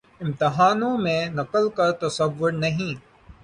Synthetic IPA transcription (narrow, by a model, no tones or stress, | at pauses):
ɪ̃mt̪ɪɦaːnõmẽnɐqəlkɐɾt̪ɐsɐʋːʊɾnɐɦĩː